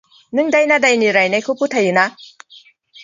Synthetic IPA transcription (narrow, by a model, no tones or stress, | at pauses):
nɯŋdajnadajniɾajnajkʰɯputʰajɯna